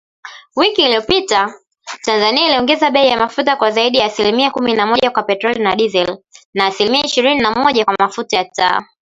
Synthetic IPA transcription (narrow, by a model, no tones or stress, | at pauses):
wikiːliɔpita | tanzaniailiɔŋɡɛzaɓɛijamafutakwazaiɗijaːsilimiakuminamɔʄakwapɛtɾɔlinaɗizɛlnaːsilimiaiʃiɾininamɔʄakwamafutajata̰ː